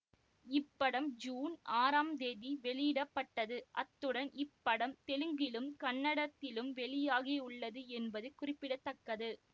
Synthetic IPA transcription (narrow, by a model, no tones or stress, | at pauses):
ɪpːɐɽɐmd͡ʒuːnaːɾaːmd̪eːðiʋɛɭɪjɪɽɐpːɐʈːɐðɯʔɐt̪ːɯɽɐnʔɪpːɐɽɐmt̪ɛɻɯŋɡɪlɯmkɐnːɐɽɐt̪ːɪlɯmʋɛɭɪjaːɣiʊɭːɐðɯɛnbɐðɯkʊrɪpːɪɽɐt̪ːɐkːɐðɯ